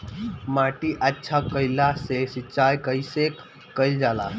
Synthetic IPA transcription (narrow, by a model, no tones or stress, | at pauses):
maʈiʔətːɕʰakəjlasesit͡ɕajkəisekː | əild͡zala̰